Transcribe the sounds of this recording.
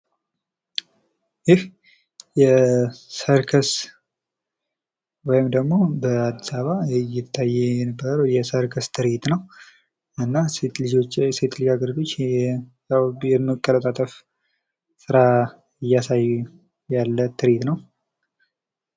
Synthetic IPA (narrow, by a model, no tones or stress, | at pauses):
jɪh | jɛsəɾkʰəs | wɔjɪmd̪əɡmo̞bəad̪ːisaβajɪt̪ʰːajːɛɛnəbːəɾəwjɛsəɾkʰəst̪ʰɨɾet̪nəw | ɨnːaset̪lid͡ʒot͡ʃːset̪ʰliɡaɡɨɾd̪o̞t͡ʃː | jawjɛmːəkʼːələt̪ʼat̪ʼəf | sɨɾa | ɨjːasajːu | jalːət̪ʰɨɾet̪nəw